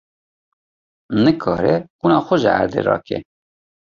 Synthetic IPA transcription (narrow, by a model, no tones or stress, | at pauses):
nɨkʰɑːɾɛkunɑːxʊʒɛæ̰ɾd̪ḛːɾɑ̰ːkʰɛ̰